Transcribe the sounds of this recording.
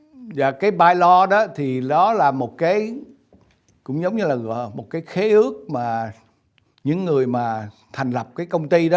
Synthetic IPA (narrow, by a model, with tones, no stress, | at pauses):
zaː˨˩kaː˨˦jɓaː˧jlɔ˧ɗɔ˨˦t̪ʰi˨˩ɗɔ˨˦laː˨˩mo˨˩t̚kaː˨˦j | kʊ̰˧˥ŋ͡mzə˨˦wŋ͡mɲɨ˧laː˨˩ɣɔ̰˧˨˩mo˨˩t̚kaː˨˦jxe˨˦ʔɨ˦˥ək̚maː˨˩ | ɲɨ̰˧˥ŋːɨ˨˩əjmaː˨˩ | t̪ʰɛ˨˩jŋ̟lə˨˩p̚kaː˨˦jkə˧wŋ͡mt̪i˧ɗɔ˨˦